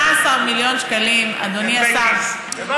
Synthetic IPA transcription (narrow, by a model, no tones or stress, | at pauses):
asamiljõːnt͡ʃkɐlimɐ̰d̪unijasa